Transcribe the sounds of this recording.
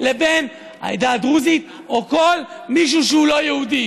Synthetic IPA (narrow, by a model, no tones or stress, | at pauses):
le̞be̞n | a̰jd̪ad̪ʁuzit̪ | oko̞lmiʃ̬uʃehulo̞jehud̪i